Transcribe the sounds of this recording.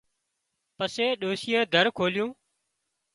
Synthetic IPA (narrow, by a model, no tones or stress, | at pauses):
pəseːɗoːsiːeːd̪ʱəɾkʰoːljũː